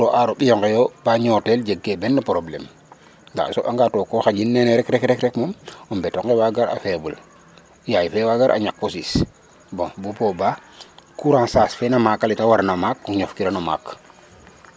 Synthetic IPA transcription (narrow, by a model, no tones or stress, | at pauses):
tɔʔaɾɔɓijɔŋɡɛjɔbaɲɔːtɛld͡ʒeɡːebɛnːapɾoblɛ̰m | nda̰sɔʔaŋɡatɔkɔxad͡ʒinːɛnɛɾɛkɾɛkɾɛkɾɛkmɔmɔmbɛtɔŋɡɛwaɡaɾa̰fɛbul | jajfɛwaɡaɾʔa̰ɲakːɔsis | bɔ̃bupɔbakuɾãsaːsfɛnamakalitawaɾnamakːɔɲɔfkiɾanɔma̰k